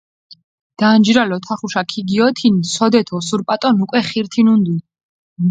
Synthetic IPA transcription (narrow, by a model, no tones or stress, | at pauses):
d̪̥and͡ʒɾalɔt̪ʰaχuʃakʰiɡiɔt̪ʰinisɔd̪ɛt̪ʰɔsuɾpʼat̪ʼɔnukʼwɛχiɾt̪ʰinund̪u